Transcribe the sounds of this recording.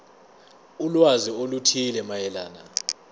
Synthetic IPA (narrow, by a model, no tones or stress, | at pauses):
ulwaziolutʰilɛmajɛlaːna